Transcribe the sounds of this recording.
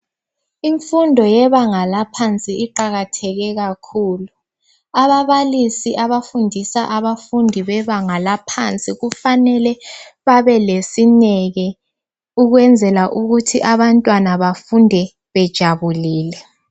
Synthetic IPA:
iɱfundʱɔjɛβaŋalapʰant͡sʼiːǃaɣatʰɛɣɛɣakʰuːlu | aβaβalisiʔaβafundʱisaʔaβafundʱiβɛβaŋalapʰant͡sʼiɣufanɛlɛ | βaβɛlesinɛɣɛ | uɣwɛnd͡zʱɛlaʔuɣutʰiʔaβantʼwanaβafundʱɛ | βɛd̥ʒ̥ʱaβuliːlɛ

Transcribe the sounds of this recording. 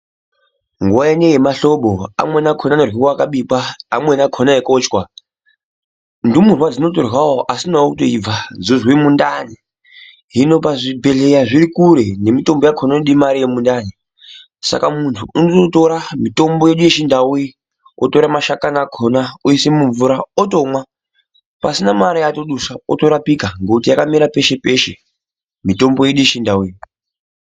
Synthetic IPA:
ŋɡuaenejemaɬo̞ɓoa̰mwe̞nakʰonanorwikwaakaɓiɓa̰ːmwe̞nakʰonajekoːt͡ʃkwa | ndimurwad͡zino̞torwawoʔasinaokutoib͡vad͡zozwimundani | ɦino̞paʐibʱe̞ɮe̞jaʐiɾikuɾe̞ne̞mito̞mbo̞jakʰonaneɗimaɾijemundani | sa̰kamuntʰuunototo̞ɾamito̞mbo̞je̞ɗuje̞ʃindawui | oto̞ɾamaʃakanakʰonaoisemuɱvuɾaoto̞mwa | pasinamaɾijato̞ɗusaoto̞ɾapikaŋɡekutijakamiɾape̞ʃe̞pe̞ʃe | mito̞mbo̞jeɗuje̞ʃindawuji

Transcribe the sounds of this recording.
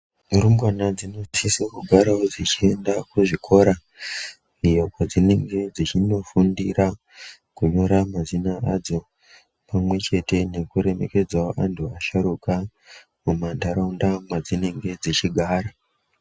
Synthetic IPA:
muɾumbanad͡zino̞sisakuɡʱaɾaod͡zit͡ʃie̞ndakuʐikʰo̞ɾa | ijo̞kad͡zine̞ŋɡe̞d͡zit͡ʃino̞fundira | kuɲo̞ɾamazinaad͡zo̞ | pamwe̞t͡ʃe̞te̞ne̞kuɾe̞me̞̰ke̞d͡zaoʔantʰuaʃaɾuka | mumandaɾaundamad͡zine̞ŋɡe̞d͡zit͡ʃiɡʱaːɾa

